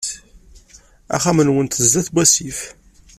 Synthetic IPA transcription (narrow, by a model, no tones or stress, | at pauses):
æ̰χæmənwənt̪əzːæθbʷæsif